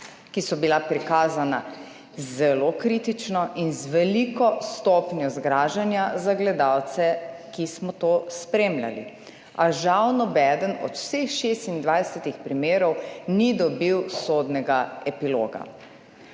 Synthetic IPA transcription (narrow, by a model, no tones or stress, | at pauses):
kisɔbilapɾikaːzana̰ | zɛlokɾit̪it͡ʃnɔʔinzʋɛlikɔst̪ɔːpnjɔzɡɾaːʒanjazaɡlɛd̪awt̪sɛkismɔt̪ospɾeːmlʲa̰lḭ | aʒawnɔbɛːd̪ənɔ̰t̪w̥sexʃeːst̪ind̪ʋajsɛt̪ixpɾimeːɾɔwnid̪ɔbiwsod̪nɛɡaɛpilo̰ːɡa̰